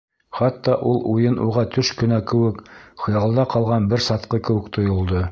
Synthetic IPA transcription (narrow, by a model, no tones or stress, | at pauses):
χɑt̪ːɑʔulˠujɤnʔuʁɑt̪ʰɵʃkɵ̆nækɘ̆wɘkχŏjɑllˠd̪ɑqɑlˠʁɑnbɘɾsɑt̪qɤkɘ̆wɘ̆kt̪ʰŏjŏlˠd̪ɤ